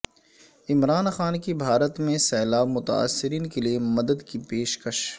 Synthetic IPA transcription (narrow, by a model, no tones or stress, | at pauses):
ɪmɾaːnxaːnkibʱaːɾət̪mẽsɛːlaːbmʊt̪a̰a̰ːsːɪɾiːnkeliemɐd̪əd̪kipeːʃkəʃ